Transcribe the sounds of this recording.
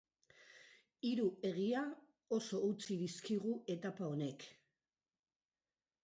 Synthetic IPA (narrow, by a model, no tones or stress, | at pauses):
iɾue̞ɣ̞ia | o̞so̞ut͡siðiskiɣ̞ue̞t̪apao̞ne̞k